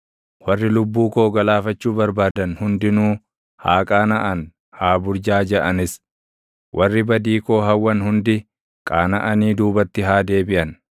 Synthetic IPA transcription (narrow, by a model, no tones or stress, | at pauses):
wɐrːɪlʊbːuːko̞ːɡɐlaːfɐt͡ʃːuːbɐɾbaːd̪ɐnhʊnd̪ɪnuː | haːkʼaːnɐʔɐn | haːbʊɾd͡ʒaːd͡ʒɛʔɐnɪs | wʔɐrːɪbɐd̪iːko̞ːɦɐwːɐnhʊnd̪ɪ | kʼaːnɐʔɐniːd̪uːbɐt̪ːɪɦaːd̪e̞ːbɪʔɐn